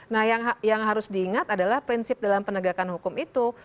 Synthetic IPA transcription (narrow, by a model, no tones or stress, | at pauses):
nahjaŋjaŋɦaɾʊsdiːŋat̪adalahpɾinsɪp̚dalampənəɡakanhukʊmit̪u